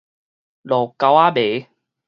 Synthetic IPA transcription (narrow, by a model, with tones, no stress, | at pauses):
lɔ˨ka˧wa˦be˨˦